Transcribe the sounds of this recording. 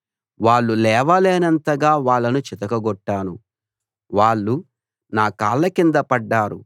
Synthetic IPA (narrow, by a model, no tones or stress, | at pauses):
ʋaːɭːulɛːʋɐleːnɐnt̪ɐɡaːʋaːɭːɐnut͡ʃit̪ɐkɐɡɔʈːaːnu | ʋaːɭːu | naːkaːɭːɐkind̪ɐpɐɖːaːɾṵ